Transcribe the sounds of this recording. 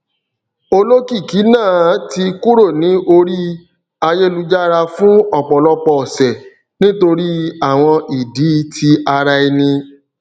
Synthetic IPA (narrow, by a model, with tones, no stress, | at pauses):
o˧lo˦ki˦˨ki˨˦nãː˦˨˦ti˧ku˦ɾo˦˨nĩ˨˦ʔo˧ɾi˦ | a˧je˦lu˦d͡ʒa˦ɾa˧fũ˦ɔ˦˨k͡pɔ˨lɔ˦k͡pɔ˧ɔ˨sɛ˨ | nĩ˦to˧ɾi˦a˦˨w̃ɔ̃˧ʔi˨di˨˦tʰi˧a˧ɾa˧i˧nĩ˧